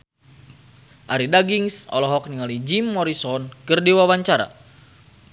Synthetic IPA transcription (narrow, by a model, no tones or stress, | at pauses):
ʔaɾidaɡiŋsɔ̰lɔɦɔk̚niŋalid͡ʒimːɔɾisɔnkərdiwawaɲt͡ʃaɾa̰